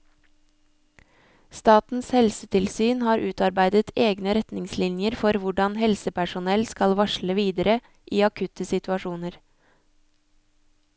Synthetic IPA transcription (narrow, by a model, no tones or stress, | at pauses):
st̪ɑːt̪n̩shɛlsət̪ʰɪlsyːnhɑːɾʔʉːt̪ɑɾbæɪd̪ət̪eːɡnəɾɛt̪nɪŋslɪnjəɾfɔɾʋʊɖɑnhɛlsəpʰæʃʊnɛlskɑlʋɑʃləʋiːd̪əɾə | ʔiːɑkʰʉt̪əsɪt̪ʰʉɑʃuːnəɾ